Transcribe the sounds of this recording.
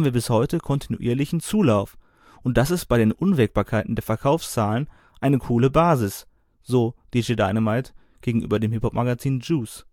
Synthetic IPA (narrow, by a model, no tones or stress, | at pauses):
mviːɐbɪshɔʏtəkʰɔntʰinṵʔḭːɐlɪçn̩t͡suːlaʊf | ʔʊnt̚d̥asɪst̚b̥aɪɾdeːnʔʊnvɛk̚b̥aːɐkʰaɪtn̩deːɐfɛɐkʰaʊfst͡saːlən | ʔaɪnəkʰuːləbaːzɪs | z̥oːd̥iːʒedaɪnəmaɪt | ɡ̥eːɡŋ̩ʔy̰ːbɐdeːmhɪphɔpmaɡat͡siːnd͡ʒuːs